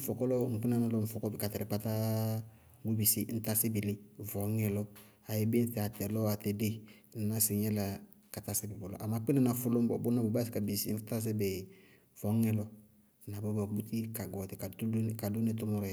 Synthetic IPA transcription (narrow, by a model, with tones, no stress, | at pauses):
n̩˨fɔ˨kɔ˦lɔ˦ŋ̩˨k͡pu˦na˦na˦lɔ˦n̩˨fɔ˨kɔ˦bɛ˨ka˨tɛ˨ɾɛ˨k͡pa˦ta˦ | ɡ͡bu˦bi˨si˦n̩˦ta˦sɪ˦bi˨lɪ˦vɔ˨˦ŋɛ˦˨lɔ˦ | a˨jɪ˦be˦n̩˦θɛ˨a˨tɛ˨lɔ˦a˨tɛ˨de˦ | n̩˨˦na˦sɪ˨ɲɛ˦la˨ | ka˨ta˦sɪ˦bɪ˨bɔ˨lɔ̰˨ʔa˨ma˨k͡pɪ˦na˦˨na˨fʊ˦lo˦m˦bɔ̰˨bʊ˦na˦bo˨ba˦si˨ka˨bi˨sḭ˦n̩˦ta˦s̬ɪ˦bɛ˨ | vɔ˨˦ŋɛ˦lɔ˦˨ | na˨bɔ˦bɔ˨bu˦ti˦ka˨ɡɔ˨tɪ˨ka˨˦ka˨do˦ne˦t̬ʊ˦mɔ˦ɾɔ˨